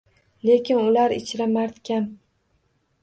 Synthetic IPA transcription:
le̞kʲʰɪnʊlaɾɪt͡ʃʰɾamaɾt̪kʲan

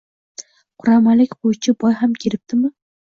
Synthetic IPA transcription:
qʰʊɾamalɪkʲqojt͡ʃʰɪbɒjɦamkʲʰeɾɪp̚t̪ɪmɪ

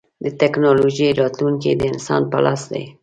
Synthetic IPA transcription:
d̪ət̪ɛknolod͡ʒieɾɑt̪luŋkḛd̪əɪnsɑ̰npa̰lʔɑsd̪ḛj

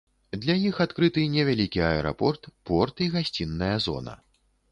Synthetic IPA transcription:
d̪lʲajixat̪kɾɨt̪ɨnʲɛvʲalʲikʲiaɛɾa̰pɔrt̪pɔrt̪iɣasʲt͡sʲinːɐjɐzɔ̰nɐ̰

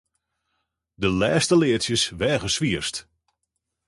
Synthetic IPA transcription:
dəlɛːstəlɪəsjəsʋɛːɣəsʋiəst

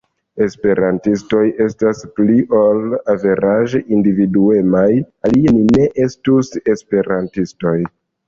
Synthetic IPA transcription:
e̞spe̞ɾantisto̞je̞staspliʔolave̞ɾaʒeʔindividue̞maj | alienine̞ʔestuse̞spe̞ɾantisto̞j

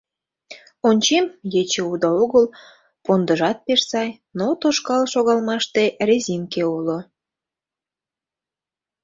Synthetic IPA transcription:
onʲt͡ɕemjet͡ɕeud̪ɑoɣəl | pond̪əʒɑt̪̚peʃsɑj | not̪oʃkɑlʃoɣɑlmɑʃt̪erezʲinkeulo

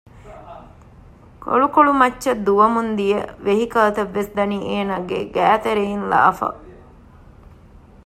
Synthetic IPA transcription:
ko̰ɭukoɭumɐtːʃɐd̪uʋɐmund̪ijəʋeɦikɐːt̪ɐʋːesd̪ɐnieːnaɡeɡæːt̪eɾeɦinla̰ːfɐ̰

